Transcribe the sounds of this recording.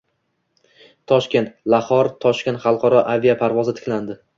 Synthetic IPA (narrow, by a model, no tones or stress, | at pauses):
t̪ʰɒʃkʲe̞nt̪laχɒɾt̪ʰɒʃkʲent̪χɑlˠqʰɒɾɒʔavijapʰaɾvɒzɪt̪ʰɪ̥kʲland̪ɪ